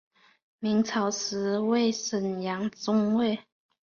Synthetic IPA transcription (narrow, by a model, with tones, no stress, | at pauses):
mi˨˥ŋt͡sʰɑ˨˩ʊs̩˨˧˥we˥˨ɪsə˨˩njɑ˧˥˦ŋt͡sʊ˥ŋwe˥˩ɪ